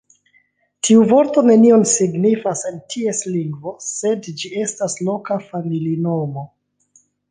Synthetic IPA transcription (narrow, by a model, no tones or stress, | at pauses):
tʰiuvo̞ɾto̞ne̞nio̞nsiɡnifase̞ntʰie̞sliŋɡvo̞se̞dd͡ʒie̞staslo̞kafamilino̞mo